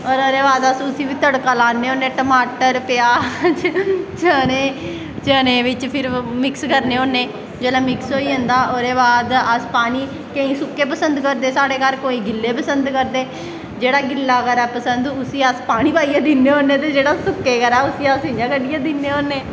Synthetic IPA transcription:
ɔːɾoːɾeːbaːd̪əsʊsiːʋiːt̪əɽkaːlaːnːeːoːnẽːʈəmaːʈəɾpɪjaːd͡ʒt͡ʃəːneː | t͡ʃəːneːʋɪt͡ʃpʰɪɾmɪkskəɾneːɦõːneː | d͡ʒeːlaːmɪksɦoːiːɦə̃nd̪aːʔoːɾeːβaːd̪əspaːɽiː | kə̃ĩːsʊkːeːpəsənd̪kəɾd̪eːsaːɽeːkəɾkoːĩːɡɪlːeːpəsənd̪kəɾd̪eː | d͡ʒeːɽaːɡɪlːaːkəɾɛːpəsənd̪ʊsiːaspaːɽ̃iːbaːijãːd̪ɪneːõːnːeːt̪eːd͡ʒeːɽaːsʊkːeːkəɾɛːʊsiːasɪãːkəɖɪjãːd̪ɪnːeːoːneː

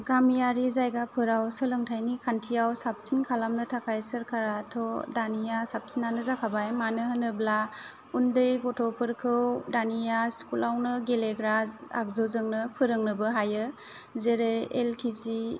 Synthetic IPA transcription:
ɡamijaɾizajɡapʰɯɾawsɯlɯŋtʰajnikʰantʰijawsap̚tʰinkʰalamnɯtʰakʰajsɯɾkʰaɾatʰɔdanijasap̚tʰinːanɯzakʰabajmanɯɦɯnɯbla | undɯjɡɔtʰɔpʰɯɾkʰɯwdanijaskulawnɯɡeleɡɾaa̰k̚zɔzɯŋnɯpʰɯɾɯŋnɯbɯɦajɯ | zeɾeelkʰizi

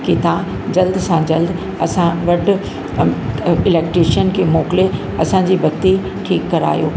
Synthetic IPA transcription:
kit̪ã | d͡ʑɐld̪sãd͡ʑɐld̪ | ɐsãʋɐʈʰʊ̆ | ɪleːkʈɾiʃənkʰeːmoːkɪle | ɐsãd͡ʑiːbʱɐɡt̪i | ʈʰiːkːɐɾa̰ːjoː

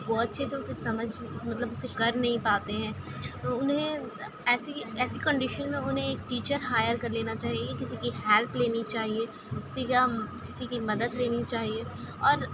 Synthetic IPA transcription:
bɔːt̪̚ʃʰeseʊsesɐməd͡ʒʱmɐt̪ləbʊsekɐɾnɐɦĩpaːt̪eɦɛ̃ːʊnɦẽ | ɛːsiɛːsikə̃ɳɖɪʃənmẽʊnɦẽeːk̚ʈiːt͡ʃəɾɦaːjəɾkɐɾleːnat͡ʃaːɦieekɪsikiɦɛːlpleːnit͡ʃaːɦie | kɪsikakɪsikimɐd̪əd̪leːnit͡ʃaːɦie | ɔːɾ

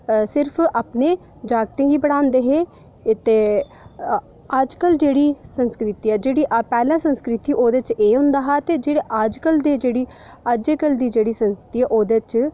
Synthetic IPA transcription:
sɪɾpʰaːpneː | d͡ʒaːɡ̚t̪ẽːɡiːbəɽ̃aːnd̪eːɦeː | t̪eː | əd͡ʒkəld͡ʒeːɽiːsə̃nskɾɪt̪iːɛːd͡ʒeːɽiːʔpɛːlãːsə̃nskɾɪt̪iːʔoːd̪eːt͡ʃeːɦʊ̃nd̪aːɦaːt̪eːd͡ʒeːɽeːʔad͡ʒkəld̪eːd͡ʒeːɽiː | aːd͡ʒeːkəld̪iːd͡ʒeːɽiːsə̃nsɾɪt̪iːɛːʔoːd̪et͡ʃ

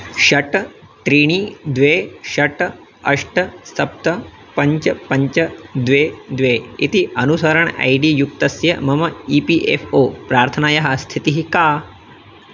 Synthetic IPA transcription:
ʃɐʈɐʈ̪ɾiːɳ̃iːd̪ʋeːʃɐʈ | ɐ̰ʂʈɐsɐp̚t̪ɐ | pɐɲt͡ʃɐpɐɲt͡ʃɐd̪ʋeːd̪ʋeːit̪iʔɐnusɐɾɐɳɐ̰jɖijuk̚t̪ɐsjɐ̰mɐmɐiːpiʔepʰoːpɾaːɾt̪ʰɐnaːjɐɦɐst̪ʰit̪iɦikaː

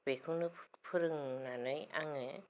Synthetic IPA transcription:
bekʰɯnɯpʰɯɾɯŋnanɯja̰ŋɯ

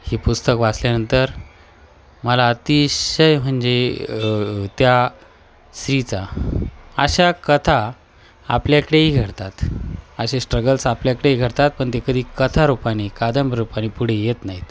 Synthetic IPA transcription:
hiːpust̪əkʋasljanənt̪əɾ | məlaət̪iɕəjm̤əɳd͡ze | t̪ja | sɾit͡sa | əɕakət̪ʰa | a̰pljakəɽeɦiɡʱəɽt̪at̪əɕesʈɾəɡəlsapljakəɽeiɡʱəɽt̪at̪̚pəɳt̪ekəd̪ʱiːkət̪ʰaɾupaɽ̃ikad̪əmbɾupaɽ̃iːpuɽ̤ejet̪naɦit̪

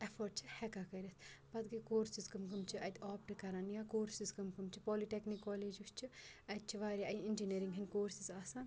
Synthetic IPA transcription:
ɐfʰoːɾɖ̚t͡ʃʰihɛkakɐɾʲɐt̪ʰpɐd̪̚ɡɐkoːɾsiskɐmkɐmt͡ʃʰiʔɐt̪ɔːp̚ʈɨkɐɾaːnjakoːɾsiskɐmkɐmt͡ʃʰipɔːliʈeknikːɔːleːd͡ʒust͡ʃʰiɐt̪̚t͡ʃʰiʋaːɾʲjaʔɐind͡ʒineːɾiŋɡɦɐnkoːɾsizaːsãːn

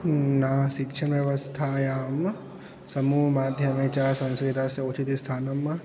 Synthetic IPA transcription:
naʃɪkʃʰɐnʋjɐʋɐst̪ʰajaːm | sɐmuːɦmaːd̪ʱjɐmet͡ʃaːɾsɐ̃nsɾed̪ʱaːsjɐot͡ʃit̪ist̪ʰaːnɐm

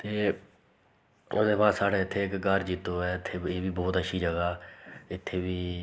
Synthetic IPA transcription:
t̪eː | ʊ̰d̪eːʋãːsaːɽeːɪt̪ʰːeːɪkɡəɾd͡ʒiːt̪ːoːɛːɪt̪ʰːeːeːʋiːbɔːt̪əʃʰiːd͡ʒəɡaːɪt̪ʰːeːbiː

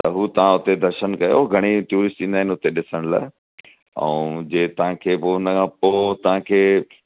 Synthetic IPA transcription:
t̪ɐɦuːt̪ɐʋ̤ãʊt̪ed̪ʱɐɾʃənkɐjooɡʱɐɽ̃iʈjuːɾɪsʈĩːnd̪aːɪnɪʊt̪eɗɪsəɽ̃la̰ːɪ | ə̰ũd͡ʑeːt̪ɐʋ̤ãkʰeːpoːʊnəkʰãːpoːt̪ɐʋ̤ãkʰeː

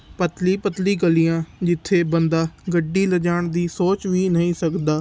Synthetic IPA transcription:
pət̪liːpət̪liːɡəliːjãːd͡ʒɪt̪ʰːeːbənd̪aːɡəɖiːləd͡ʒaːɳd̪iːsoːt͡ʃʋiːnəĩːsəkd̪aː

